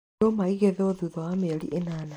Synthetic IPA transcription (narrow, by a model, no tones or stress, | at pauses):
omaiɣeðɛoðuðɔwameɾḭʔenaːna